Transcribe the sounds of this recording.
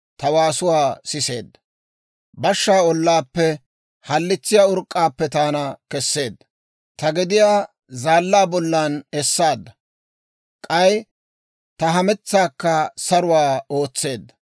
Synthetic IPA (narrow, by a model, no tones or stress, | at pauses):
t̪ɐwaːsʊwaːsɪse̞̰ːd̪ːɐ | bɐʃːaːɔlːaːpːɛ | hɐlːɪt͡sːɪjaʊɾkʼːaːpːɛt̪aːnɐkɛsːe̞ːd̪ːɐ | t̪ɐɡɪd̪ɪjaː | zaːlːaːbɔlːanɛsːaːd̪ːɐ | kʼɐj | t̪ɐɦɐmɛt͡sːaːkːɐsɐɾʊwaːo̞ːt͡sːe̞ːd̪ːɐ̥